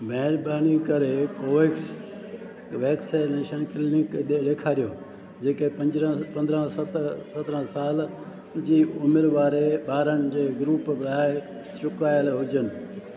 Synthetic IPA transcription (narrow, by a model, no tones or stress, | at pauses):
mɛɦɪɾbaːnikɐɾekoːʋeːks | ʋeːksaneːʃənkɪlnɪkɗeɖeːkʰaːɾijoː | d͡ʑeːkepɐ̃ɲd͡ʑɾə̃pɐ̃nd̪ɾə̃st̪sɐt̪ɾə̃saːl | d͡ʑiːʊmɪɾʋaːɾeɓaːɾəñɪd͡ʑeːɡɾuːpbɾaːe | t͡ɕʊkaːjəlɦʊd͡ʑənɪ̆